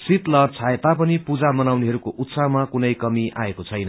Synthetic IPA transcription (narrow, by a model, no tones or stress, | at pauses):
sit̪lʌrt͡sʰaet̪apʌnipud͡zamʌnawniɦʌɾukoʔut̪samakunʌjkʌmiʔa̰ekot͡sʰʌjnʌ